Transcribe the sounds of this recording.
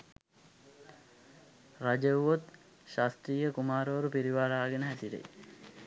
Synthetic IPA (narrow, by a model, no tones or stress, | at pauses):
rad͡ʒəwʋot̪ | ʃast̪riːjəkumaːɾoʋɐɾupiɾiʋaːɾaːɡenəɦæsiɾḛj